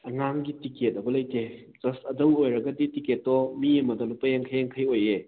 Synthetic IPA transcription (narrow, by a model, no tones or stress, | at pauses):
ɐŋaŋɡitiket̚ɐbɐlɐjte | d͡ʒɐstɐdɐwojɾɐɡɐditiket̚ːɔmiemɐdɔnɐpɐjeŋkʰajeŋkʰajoje